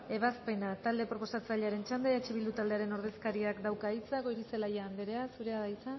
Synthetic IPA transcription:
e̞β̞aspe̞nat̪ald̪e̞pɾo̞po̞sat͡saʎeaɾe̞nt͡ʃand̪eet͡ʃiβild̪ut̪ald̪e̞aɾe̞no̞ɾð̞e̞skaɾiakd̪awkaijt͡sako̞jɾise̞laʝaand̪eɾe̞asuɾe̞aðajt͡sa

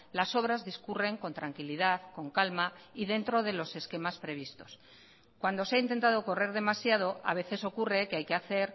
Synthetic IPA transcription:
laso̞β̞ɾazðiskure̞ŋko̞nt̪ɾaŋkiliðaðko̞ŋkalmaiðe̞nt̪ɾo̞ðe̞lo̞se̞ske̞maspɾe̞βist̪o̞̥s | kwand̪o̞seaint̪e̞nt̪að̞o̞ko̞re̞ɾð̞e̞masjað̞o̞a̰β̞e̞θe̞so̞kure̞keajkeaθe̞ɾ

